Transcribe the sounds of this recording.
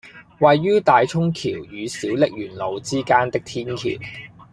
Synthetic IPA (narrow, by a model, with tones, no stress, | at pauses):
wɐ˨jːyː˥t̪aː˨jt͡ʃʰʊ˥ŋkʰiː˨˩wjyː˨˧siː˨˥wlɪ˨k̚jyː˨˩nlo˨wt͡siː˥kaː˥nt̪ɪ˥k̚t̪ʰiː˥nkʰḭː˨˩w